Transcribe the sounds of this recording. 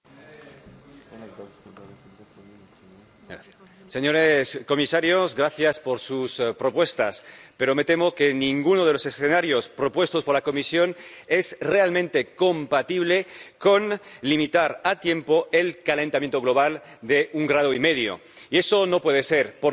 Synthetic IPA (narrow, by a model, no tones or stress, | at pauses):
seɲo̞ɾesko̞misaɾjozɣɾaθjaspo̞ɾsuspɾo̞pwe̞st̪aspe̞ɾo̞me̞t̪e̞mo̞kenĩŋɡunoð̞elo̞se̞sθenaɾjo̞spɾopwe̞st̪o̞spoɾlako̞misjo̞ne̞zrealmẽnt̪eko̞mpat̪iβ̞le̞ko̞nlimit̪aɾat̪je̞mpo̞ʔe̞lkale̞nt̪amje̞nt̪o̞ɣlo̞β̞al | d̪eʔuŋɡɾað̞oime̞ðjo̰ | ie̞sono̞pweð̞eseɾpo